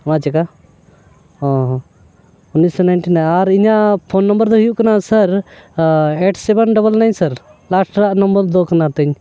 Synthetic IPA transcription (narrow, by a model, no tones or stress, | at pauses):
mat͡ʃɛka | ɔ | unːisɔnajnʈinaaɾiɲapʰonːɔmbəɾd̪ɔɦijuʔkɐnasəɾ | eʈsɛbənɖɔbəlnajɲnsəɾ | lasʈɾaʔnɔmbəɾd̪ɔkɐnat̪ɛɲ